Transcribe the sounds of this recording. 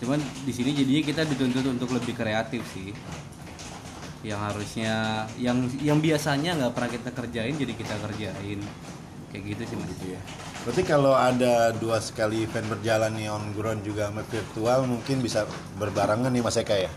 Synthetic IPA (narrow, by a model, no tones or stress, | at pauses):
t͡ʃumandisinid͡ʒadiɲak̬it̪adit̪unt̪ʊt̪unt̪ʊkləbɪhkɾeat̪ɪfsɪh | jaŋɦaɾusɲajaŋjaŋbiasaɲaŋɡaʔpərnakit̪akərd͡ʒaɪnd͡ʒadikit̪akərd͡ʒaɪn | kajaʔɡit̪usimaj | tat̪ikaloadaduasə̥kalifɛnbərd͡ʒalanaɔnɡɾɔnd͡ʒuɡaməfirt̪ualmuŋkɪnbisa | bərbaɾaŋanamasakaja